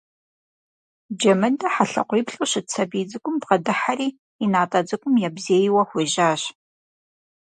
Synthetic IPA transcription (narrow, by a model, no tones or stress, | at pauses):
d͡ʒɐmɐdɐħaɬɐ̰qʷiːpɬʼuɕɪt͡sʰɐbiːd͡zɨkʷʼʊmdʁɐdɨħariː | inaːtʼɐd͡zɨkʷʼʊmjɛbzeːjwɐxʷeːʒaːɕ